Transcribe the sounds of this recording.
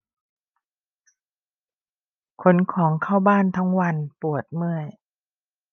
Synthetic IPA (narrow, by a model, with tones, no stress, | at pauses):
kʰo˦˥nkʰɔː˩˦ŋkʰa˥˩wbaː˥˩nt̪ʰa˦˥ŋwa˧npu˨˩ət̪̚mɯ˥˩əj